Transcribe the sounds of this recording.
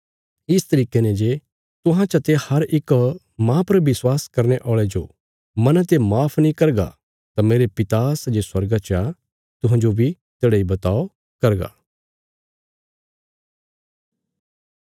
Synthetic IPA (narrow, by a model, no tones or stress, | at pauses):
ɪst̪ɐɾiːkenẽd͡ʒeː | t̪ʊɦãt͡ʃɐt̪ehɐɾɪk | mãpɐɾbɪswaːskɐɾneʔɔːɭed͡ʒo̰ | mɐ̃nət̪emaːpʰnĩkɐɾɡa̰ | t̪ameːɾepɪt̪asd͡ʒeswɐɾɡat͡ʃa | t̪ʊɦãd͡ʒobʱi | t̪eːɽaibɐt̪aːo | kɐɾɡa̰ː